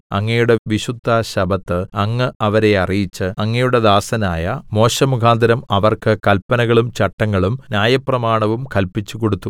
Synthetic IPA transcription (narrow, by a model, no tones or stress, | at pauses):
ɐ̰ŋːɐjuɽe̞ʋiɕud̪ʱːaɕɐbʱɐt̪ːɨɐŋːɨɐʋɐɾe̞ɐrijit͡ɕːɨɐŋːɐjuɽe̞d̪aːsɐnaːjɐmo̞ːɕɐmukʰaːnd̪ʱɐɾɐmɐʋɐrkɨkɐlpɐnɐɣɐɭumt͡ɕɐʈːɐŋːɐɭumnʲjaːjɐprɐmaːɳɐʋumkɐlpit͡ɕːuko̞ɽut̪ːu